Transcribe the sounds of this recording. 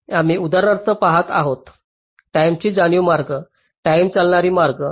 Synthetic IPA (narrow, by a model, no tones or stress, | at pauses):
amiud̪aɾnaɾt͡s̪əpaɦat̪a̰ɦot̪ | ʈajmt͡ɕiːd͡zaɽjumaɾɡə | ʈaimt͡salɳaɾiːmaɾɡə